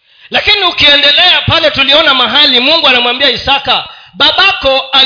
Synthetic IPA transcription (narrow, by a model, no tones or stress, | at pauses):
lakiniukiɛndɛlɛapalɛtuliɔnamaɦalimuŋɡuanamwambiaisakaɓaɓakɔa